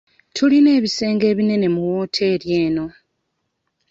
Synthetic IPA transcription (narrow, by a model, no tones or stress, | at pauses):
tʰuline̞ːβise̞ːŋɡe̞ːβine̞ne̞muwoːtʰe̞ːɾje̞ːno̞